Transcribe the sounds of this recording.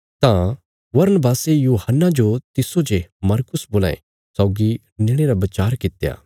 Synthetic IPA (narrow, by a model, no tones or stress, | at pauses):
t̪ã | bɐɾnəbaːsejuːhənːad͡ʒot̪ɪsod͡ʒemɐɾkʊsboːlaːḛ | sɔːɡi | nɪɽ̃eɾabɐt͡ʃaːɾkɪt̪ja̰ː